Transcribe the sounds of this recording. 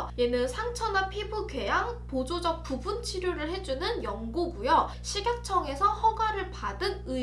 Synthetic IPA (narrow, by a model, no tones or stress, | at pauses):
jenɯnsʰaŋt͡ɕʰʌnapʰibuɡe̞jaŋpod͡ʑod͡ʑʌk̚pubunt͡ɕʰiɾjoɾɯɭhe̞d͡ʑunɯnjʌŋɡuɡujʌ | ɕʰiɡjak̚t͡ɕʰʌŋe̞sʰʌhʌɡwaɾɯɭpadɯnɯ